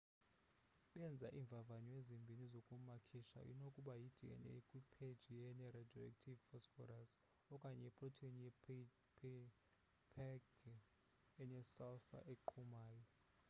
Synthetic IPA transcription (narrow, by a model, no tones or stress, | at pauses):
ɓɛnd͡zʱaʔiːɱvʱavanɔezimbʱinizokʼumakʰiʃa̰ʔḭnokʼuɓajid̥ʱiɛ̰nɛ̰ekʼwipʰed̥ʒ̥ʱijɛnɛɾadɔɛ̰k̚tʰivfɔsfɔ̰ɾas | ɔkʼaɲɛɛpʼrɔtʰeniɛ | pʰ | pʰɛɡ | ɛnɛsalfa̰ʔeǃʰumaːjɔ